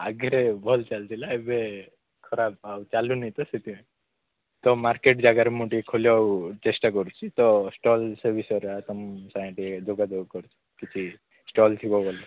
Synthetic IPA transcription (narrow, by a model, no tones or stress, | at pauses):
aɡeɾebʱɔlt͡ʃalt̪ilaebe | kʰɔɾab̚awt͡ʃalunit̪ɔset̪imẽ | t̪ɔmaɾkeʈ̚d͡ʒaɡaɾemuʈiekʰoljɔawt͡ʃesʈak̬ɔɾut͡ʃʰit̪ɔsʈɔlsəɾbisɔɾat̪ɔmsajẽʈied͡ʒoɡad͡ʒoɡakɔɾut͡ʃʰi̥kit͡ʃʰi | sʈɔlt̪ʰikɔɡɔla